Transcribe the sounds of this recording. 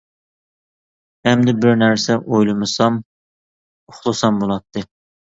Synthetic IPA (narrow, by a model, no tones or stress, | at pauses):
ɛmd̪ɪbɪɾnæɾsɛʔojlˠɨmɨsɑm | ʊχlˠɨsɑmbolˠɑt̪ʰːɨ